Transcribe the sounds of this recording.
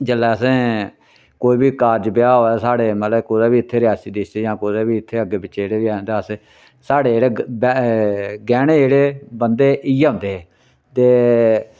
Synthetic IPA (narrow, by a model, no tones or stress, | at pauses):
d͡ʒəlːɛːəsẽː | koːiːbiːkaːɾd͡ʒbɪjaːɦoːɛːsaːɽeːmət̪ləkoːd̪aːbiːɪt̪ʰːeːɾɪjaːsiːd̪ɪst̪eːjãːkoːd̪eːbiːɪt̪ʰːeːəɡebɪt͡ʃeːɽeːʋiːãːnd̪aːəsẽː | saːɽeːɽeːb | ɡɛːɽ̃ẽːeːɽeːbənd̪eːʔiõːnd̪eːɛː | t̪eː